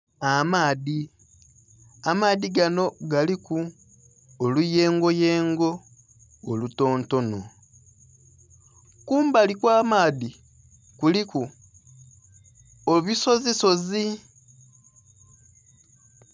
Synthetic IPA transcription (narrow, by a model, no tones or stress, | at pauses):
amaːði | amaːðiɡano̞ɡalikuː | luje̞ːŋɡo̞jeːŋɡo̞ː | luto̞ːnto̞no̰ | kuːmbalikwaːmaːði | kuliku | oβiso̞ziso̞zi